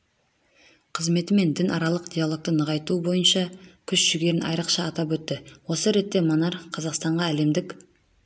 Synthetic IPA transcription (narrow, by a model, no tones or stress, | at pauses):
qʰəzme̞t̪ɪme̞nd̪ɪnʔɑɾɑlˠəqd̪ʲijalˠo̞k̚t̪ənəʁɑjt̪ubo̞jənʃɑkʲʰʏsʒ̥ʏɡʲe̞ɾɪnɑ̰jɾəqʃɑːt̪ɑpwɵt̪ːɪwo̞səɾe̞t̪ːe̞monɑɾqʰɑzɑqst̪ɑɴʁɑæle̞md̪ɪkʲ